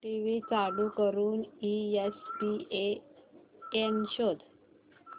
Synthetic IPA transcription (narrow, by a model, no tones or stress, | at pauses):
ʈiʋit͡salukəɾuːniespie | enɕod̪ʱ